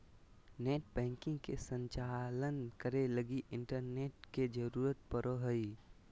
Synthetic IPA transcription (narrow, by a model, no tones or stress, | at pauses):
neːʈbɛ̃ːŋkɪ̃ŋɡkesə̃ɲt͡ʃaːlənkəɾeləɡiʔɪ̃ɳʈəɾneːʈked͡ʒəɾuːɾət̪̚pəɾʔoɦəi